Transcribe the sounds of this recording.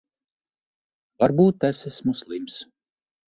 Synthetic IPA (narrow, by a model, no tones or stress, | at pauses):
vaɾbuːt̪ːæsesʲmuslˠims